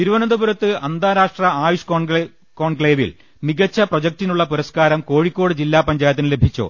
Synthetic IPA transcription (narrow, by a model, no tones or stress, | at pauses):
t̪iɾuʋɐnɐd̪ɐbuɾɐt̪ːɨɐnd̪aːɾaːʂʈrɐaːjuʂ | ko̞ːɳkɭeːʋḭl | miɡɐt͡ɕːɐprod͡ʑɐk̚tinuɭːɐpuɾɐskaːɾɐmko̞ːɻikʲːo̞ːɽɨd͡ʑilːaːpɐɲd͡ʑaːjɐt̪ːinɨle̞bʱit͡ɕːo̰ː